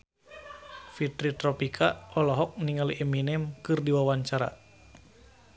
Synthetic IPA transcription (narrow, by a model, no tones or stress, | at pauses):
fit̪ɾit̪ɾɔpikʰaɔlɔɦɔk̚niŋaliʔeminɛmkɨrdiwawaɲt͡ʃaɾa̰